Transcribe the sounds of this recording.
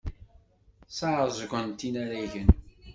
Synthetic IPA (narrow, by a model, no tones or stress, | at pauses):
sɑzˤɡʷənt̪ːinaɾæʝən